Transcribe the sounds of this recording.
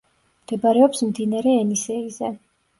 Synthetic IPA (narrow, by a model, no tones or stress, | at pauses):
md̪̥ɛbaɾɛɔpsmd̪inaɾɛːnisɛizɛ